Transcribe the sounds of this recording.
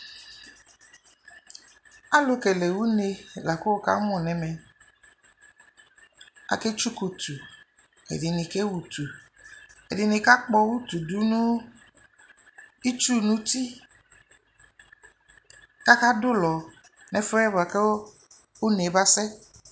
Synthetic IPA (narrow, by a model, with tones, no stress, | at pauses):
a˦lo˨ke˨le˨wu˦ne˨la˨ko˦wo˦ka̰˦m˦ɔ̃˨nɛ̃˨mɛ˨ | a̰˨ke˦t͡ʃu˦ko˨t̪u˨ | ḛ˨di˨nĩ˨ke˦wu˨t̪u˨ | ḛ˨di˨nĩ˨ka˦k͡pɔ˦wu˦t̪u˨du˦nũ˦ | i˦t͡ʃu˦nũ˦t̪i˦ | ka˦ka˦dʊ˦lɔ˨ | nɛ˦fɔ˦ɛ˦ba˨ke˦ | o˦ne˨ba˦sɛ˦